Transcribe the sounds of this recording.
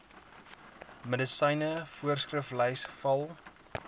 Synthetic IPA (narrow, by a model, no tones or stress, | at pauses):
mədəsəjnəfuərskrəflɛjsfɐlˠ